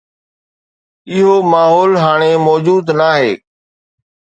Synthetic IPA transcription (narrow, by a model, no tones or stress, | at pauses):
ɪɦomaːɦɔːlɦaːɽ̃emɔːd͡ʒuːd̪naːɦeː